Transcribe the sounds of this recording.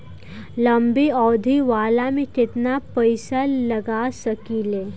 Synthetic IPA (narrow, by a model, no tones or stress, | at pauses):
lɐmbiɔːd̪ʱiʋaːlamẽkɪt̪napəɪsalɐɡasɐkileː